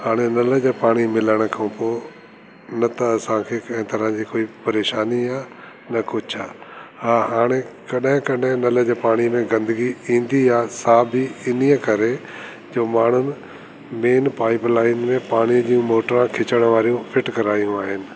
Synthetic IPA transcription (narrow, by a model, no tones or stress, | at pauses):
haːɽ̃enɐləd͡ʑepaːɽ̃imɪləɽ̃kʰɐ̃ũpoː | nɐt̪ɐɐsãkʰeːkɐ̃ɦɪ̃t̪ɐɾãd͡ʑikoːipɐɾeːʃaːniaː | nɐkʊd͡ʑʰaːhaːɦaːɽ̃ekɐɗɦɪ̃kɐɗɦɪ̃nɐləd͡ʑepaːɽ̃imẽɡɐ̃nd̪əɡiĩːnd̪iaːsaːbʱiɪnijəkɐɾe | d͡ʑoːmaːɳ̤ʊnɪ̆ | meːnpaːɪpɾlaːɪnmẽpaːɽ̃iəd͡ʑiːũmoːʈəɾãkʰɪt͡ɕəɽ̃ʋaːɾijũfɪʈkɐɾaːjũaːɦɪnɪ̆